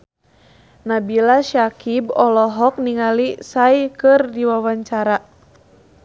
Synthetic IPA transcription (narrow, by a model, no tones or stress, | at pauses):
nabilaʃakibɔlɔɦɔk̚niŋalisaikɨrdiwawaɲt͡ʃaɾa